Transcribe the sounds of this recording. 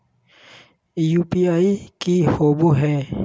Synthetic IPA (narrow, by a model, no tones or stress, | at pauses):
juːpiaːikihoːboɦɛː